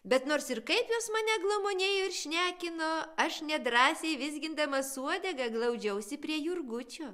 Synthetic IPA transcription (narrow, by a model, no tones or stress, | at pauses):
bʲɛt̪noːrsɪrkɐɪpjoːsmɑːnʲɛɡlˠoːmoːnʲeːjoːɪrʃʲnʲæːkʲɪnoːɐʃnʲɛd̪ɾɑːsʲeɪʋʲɪs̬ʲɡʲɪnd̪ɐmɐsuɔd̪ʲɛɡɐɡlˠɐʊd͡ʒʲɛʊsʲɪpʲɾʲiɛjʊrɡʊt͡ʃʲoː